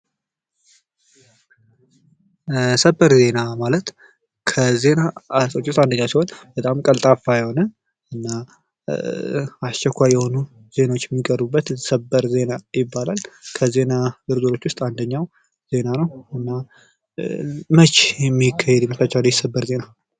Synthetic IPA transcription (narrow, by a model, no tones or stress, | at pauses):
səbəɾze̞namalət̪ | kʰəze̞naat̪ʼot͡ʃːwʊst̪ʼand̪əɲːawsiho̞nb̥ət̪ʼamkʼəlt̪ʼafajɛho̞nə | ɨnːa | ast͡ʃːɛkʷːajːɛho̞nu | ze̞nawot͡ʃːjɛmːikʼəɾubːət̪səbːəɾze̞najɪbːalalkʰəze̞naɡɨɾzoɾo̞t͡ʃːwʊst̪ʼand̪əɲːaw | z̥e̞nanəwɨnːa | mət͡ʃːjɛmːikʰːahɛd̪jɛmːət̪ʰːat͡ʃːaljɛsəbːəɾze̞na